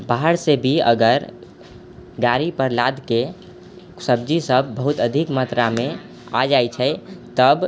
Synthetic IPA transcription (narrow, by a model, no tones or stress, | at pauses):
baɦəɾsebʱiə̰ɡəɾ | ɡaɾipəɾlad̪ʱke | səb̚d͡ʒisəbːəɦut̪əd̪ʱikmat̪ɾamẽ | a̰d͡ʒajt͡ʃʰɛt̪əb